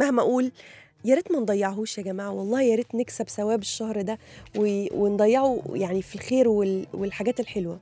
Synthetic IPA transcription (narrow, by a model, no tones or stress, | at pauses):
mæhmæʔuːl | jæɾit̪mænd̪ˤɑjːɑʕɦuʃæɡæmaːʕwɑlˤːɑːhjæɾit̪neksæbsæwæːbeʃːɑhɾˤd̪æwewend̪ˤɑjːɑʕujaʕnifilxeːɾwelwelħaɡæːt̪elħelwæ